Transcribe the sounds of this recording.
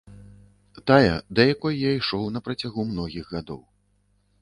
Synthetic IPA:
t̪ajɐd̪ɐjakɔjjaiʂɔwnɐpɾɐt͡sʲaɣumnɔɣʲiɣɣad̪ɔ̰w

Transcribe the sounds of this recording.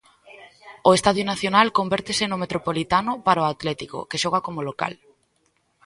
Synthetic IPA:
oest̪aðjʊnaθjonalkombɛɾt̪esenʊmet̪ɾopolit̪anʊpaɾaoat̪lɛt̪iko̰keʃɔɣ̞akomoloka̰l

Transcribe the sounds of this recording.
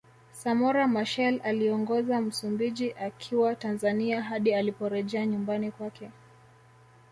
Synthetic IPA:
samɔɾamaʃɛlaliɔŋɡɔzam̩sumbiʄiʔakʰiwatanzaniaɦaɗialipɔɾɛʄɛaɲumbanikwakʰɛ

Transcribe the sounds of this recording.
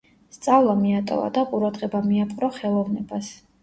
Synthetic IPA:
st̪sʼavlˠamiat̪ʼɔ̰va̰d̪aqʼuɾad̪ʁɛbamiapʼqʼɾɔχɛlˠɔvnɛbas

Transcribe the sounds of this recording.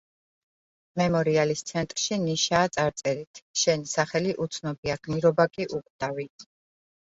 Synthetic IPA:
mɛmɔɾialist̪sʰɛnt̪ʼɾʃiniʃaːt̪sʼaɾt̪sʼɛɾit̪ʰʃɛnisaχɛliʔut̪sʰnɔbiaɡ̥niɾɔbakʼiʔuqʼd̪̥ʼavi

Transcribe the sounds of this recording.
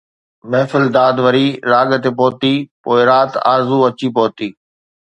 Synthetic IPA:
mɛːfɪld̪aːd̪ʋəɾiːɾaːɠt̪eːpoːt̪iːpoːɪɾaːt̪a̰ːɾzuɐt͡ɕiːpoːt̪iː

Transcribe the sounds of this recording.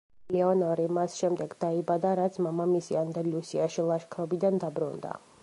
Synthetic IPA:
lɛɔnɔɾimasʃɛmd̪ɛɡd̪̥aibad̪aɾat̪sʰmamamisiand̪alusiaʃilˠaʃkʰɾɔbid̪and̪abɾṵnd̪a̰

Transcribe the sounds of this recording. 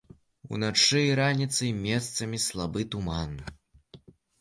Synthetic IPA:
ṵnat͡ʂɨiɾanʲit̪sɨmʲɛst̪sɐmʲislˠabɨt̪umanːɨ

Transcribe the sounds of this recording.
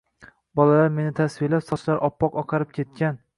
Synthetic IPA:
bɒlalaɾme̞nɪt̪ʰasvɪlasɒʃlaɾʔɒpːɒqɒqʰɑɾɪp̚kʲʰe̞t̪̚kʲan

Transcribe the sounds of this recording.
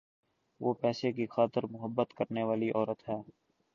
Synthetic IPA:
ʋoːpɛːsekixaːt̪əɾmʊɦəbːət̪kəɾneʋaːliʔɔːɾət̪ɦɛː

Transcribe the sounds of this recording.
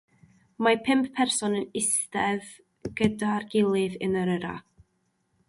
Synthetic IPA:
mapʰɪmpʰpʰɛrsɔnənɪstɛð | ɡ̥ədarɡɪlˠɪðənəɾəɾa̰

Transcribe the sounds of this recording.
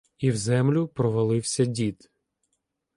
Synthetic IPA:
iwzɛmlʲʊpɾɔʋɐlˠɪwsʲɐdʲid̪

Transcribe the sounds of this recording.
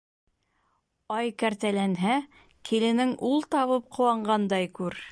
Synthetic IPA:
ɑjkæɾt̪ælænɦæ | kʰilɘ̆nɘŋʔulˠt̪ɑβɤp̚qŏwɑɴɢɑnd̪ɑjkʉɾ

